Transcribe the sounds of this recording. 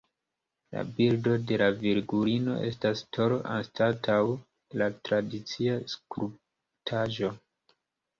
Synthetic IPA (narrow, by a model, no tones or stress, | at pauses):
la̰bildo̞de̞laviɾɡuɾino̞̰ʔe̞̰stastʰo̞ɾoʔa̰nstatʰaw | latɾadit͡siaskɾu | tʰaʒo̞